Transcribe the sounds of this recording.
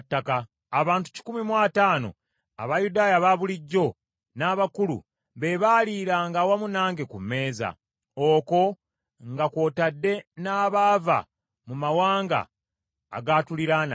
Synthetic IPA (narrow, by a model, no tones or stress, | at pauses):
tːakaː | βaːntu̥ci̥kumimwaːtaːno̞̰ | a̰βajudaːjaβaβuliɟːo̞ | naːβakulṵ | βeβaːliːɾaːŋɡaːwamunaːŋɡe̞kumːe̞ːza̰ | oːko̞ | ŋɡakwo̞ːtadːe̞naːβaːva̰ | mumawaːŋɡa̰ː | ɡaːtuliɾana̰